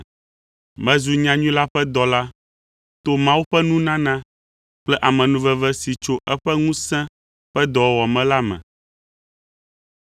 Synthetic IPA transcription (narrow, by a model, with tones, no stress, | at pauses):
mɛ̃˦zu˨ɲã˦ɲũ˦la˦ɸɛ˦d̪ɔ˨la˦ | t̪o˦mã˦wu˦ɸɛ˦nũ˦nã˦nã˦ | k͡plɛ˦ʔa˨mɛ̃˨nũ˦vɛ˨vɛ˦si˨t͡ʃo˦ʔɛ˦ɸɛ˦ŋũ˦sɛ̃˦ | ɸɛ˦d̪ɔ˨˦wɔ˨mɛ̃˦la˦mɛ̰̃˨